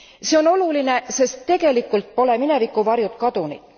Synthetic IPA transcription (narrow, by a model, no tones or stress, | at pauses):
se̞o̞no̞luline̞se̞st̪ːe̞ɡ̥e̞likːˑult̪̚po̞le̞mine̞vikːˑuvɑrjut̪kɑd̪̥unḭ̥